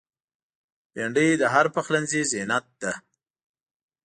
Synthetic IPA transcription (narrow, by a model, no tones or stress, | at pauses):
aɳɖəjd̪əɦaɾpaxlanzizenat̪̚d̪a